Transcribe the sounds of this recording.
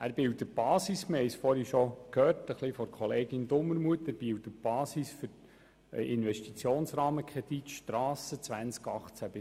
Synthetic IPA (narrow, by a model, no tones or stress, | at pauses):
æːɾb̥ɪwtəb̥ɑːsisməhɛɪsfɔɾhiʃokʰhøːɾtəχlifɔɾkʰχɔleːɡɪnd̪ʊmːəɾmuətæɾb̥iwtəb̥ɑːsisfʏɾ | ɪnʋɛʃtit͡sjoːnsɾɑːməkʰɛd̪̥itʃtrɑːsət͡sʋænt͡skɑχt͡sæb̥ɪ